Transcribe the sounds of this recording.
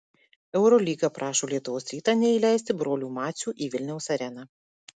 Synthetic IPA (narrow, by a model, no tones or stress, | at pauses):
ɛʊɾolʲiːɡɑpɾɑːʃoːlʲiɛt̪ʊʋoːsɾʲiːt̪ɑːnʲɛilʲæˑɪsʲt̪ʲɪbɾoːlʲuːmɑːt̪sʲuːʔiːʋʲɪlʲnʲɛʊsɐɾʲɛnɑː